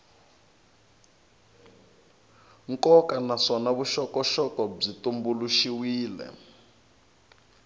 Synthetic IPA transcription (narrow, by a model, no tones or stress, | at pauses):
ŋkɔkanaʂɔnaβuʃɔkɔʃɔkɔb͡ʐitumbuluʃiwiːlɛ̰